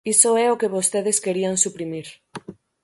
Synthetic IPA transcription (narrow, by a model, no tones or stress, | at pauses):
isoɛokeβost̪eðeskeɾiansupɾimiɾ